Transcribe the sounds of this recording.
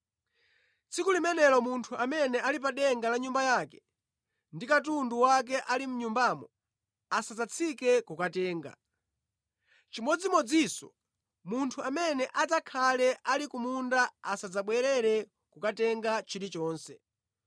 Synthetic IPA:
t͡sʰikulimɛnɛlɔmuntʰuamɛnɛalip̬aɗɛŋɡalaɲumbajaːkɛ̥ | ndikatunduwak̬ɛʔalim̩ɲumbamɔ | asad͡zat͡sʰikɛkukatɛːŋɡa̰ | t͡ʃimɔd͡zimɔd͡zisɔ̰ | muntʰuamɛnɛʔad͡zakʰalɛʔalikumundaasad͡zaɓwɛɾɛɾɛ | kukatɛŋɡat͡ʃʰiɾit͡ʃɔːnsɛ

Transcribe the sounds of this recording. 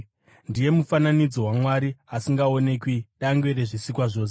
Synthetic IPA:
ndije̞mufananid͡zo̞wamwaɾiasiŋɡao̞ne̞kwiɗaŋɡweɾeʐisikwaʐo̞ːs̬e

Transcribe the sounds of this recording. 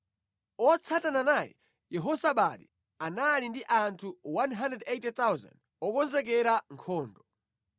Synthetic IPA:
ɔt͡sʰatananajɛ̰ | jɛɦɔsaɓaɗi | analindiʔantʰuwanɦandrɛdejtɛt̪awza̰nd | ɔkɔnzɛk̬ɛɾaŋkʰɔːndɔ

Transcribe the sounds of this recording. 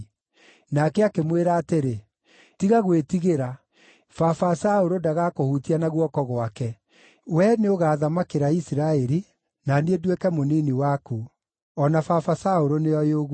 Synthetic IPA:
nakɛakemweɾaːteɾe | tiɣaɣwetiɣeɾa | fafasaoɾodaɣakohutianaɣwɔkɔɣwakɛ | wɛneoɣaːðamakeɾaisiɾaɛɾi | naniedwekɛmoniniwaku | ɔnafafasaoɾoneɔjoɣ

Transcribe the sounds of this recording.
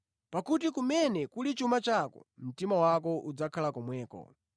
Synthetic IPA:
pakut̬ikumɛnɛkulit͡ʃumat͡ʃakɔ̰m̩timawakɔʔud͡zakʰalakɔmwɛːkɔ̰

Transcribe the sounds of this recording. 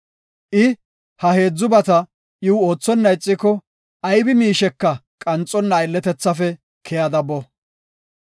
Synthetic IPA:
ʔɪ | hɐhe̞ːd͡zːʊbɐt̪ɐ | ʔɪwʊoːt͡sːɔnːɐjɪt͡sʼːɪkɔ | ɐjbɪmiːʃɛkːɐ | kʼɐnt͡sʼɔnːɐɪlːɛt̪ɛt͡sːɐfɛ | kʰɛjɐd̪ɐbɔ

